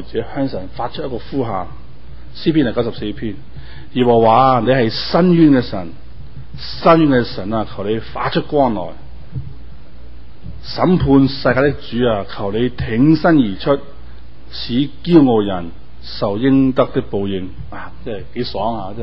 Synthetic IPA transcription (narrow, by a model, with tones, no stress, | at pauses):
t͡sɛː˨˥hœː˥ŋsɐ˨˩nfaː˧t̚t͡ʃʰɵ˥jɐ˥kɔː˧fuː˥ɦaː˨ŋ | siː˥pʰi˥nɐ˨˩kɐ˥sɐ˨p̚se˧jpʰiː˥n | jɛː˨˩wɔ˨˩waː˨˧ne˨˧ɦɐ˨jsɐ˥nɥyː˥nkɛ˧sɐ̰˨˩n | sɐ˥njyː˥nkɛː˧sɐ˨˩naː˨˧kʰɐ˨˩wne˨˧jfa̰ː˨˥t͡ʃʰɵ˥t̚kʷɔː˥nlɔ̰ː˨˩j | sɐ˨˥mpʰuː˧nsɐ˧jkaː˧˥t̪̬ɪ˥k̚t͡ʃyː˨˥aː˧kʰɐ˨˩wne˨˧jt̪ʰɪ˨˥ŋsɐ˥njiː˨˩t͡ʃʰɵ˥t̚ | sʰiː˨˥kiː˥wŋo˨˧jɐ˨˩n | sɐ˨wjɪ˥ŋt̪ɐ˥k̚t̪ɪ˥k̚po˨wjɪ˨˧ŋ | aː˨˧˩t͡sɛː˥ɐ˨jke˨˥sɔː˨˥ŋaː˧t͡sɛ˥